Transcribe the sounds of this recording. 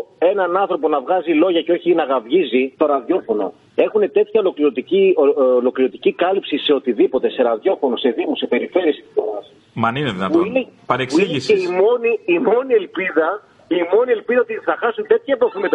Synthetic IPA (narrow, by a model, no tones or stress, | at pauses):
e̞nɐnɐnθɾo̞po̞nɐvɣɐzilo̞ʝɐceo̞çinɐɣɐvʝizist̪o̞ɾɐðjo̞fo̞no̞̰ | e̞xune̞t̪et̪çɐolo̞kliɾot̪icioolo̞kliɾo̞t̪icikɐlipsise̞ot̪iðipo̞t̪e̞se̞ɾɐðjo̞fo̞nose̞ðimuse̞pe̞ɾife̞ɾie̞st̪i̥oɾɐs | mɐnineðinɐuinepɐɾeksiseimo̞niːmo̞nie̞lpiðɐ | imo̞nie̞lpiðɐot̪iθɐxɐsunt̪e̞t̪çɐpɾofimet̪